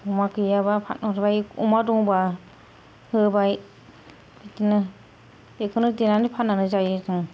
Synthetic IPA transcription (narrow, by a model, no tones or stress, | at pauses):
umakɯjabapʰaɔɾbajumadɔŋba | hɯbaj | bitinɯ | ekʰɯnɯdenanipʰanːanɯzajɯtɯŋ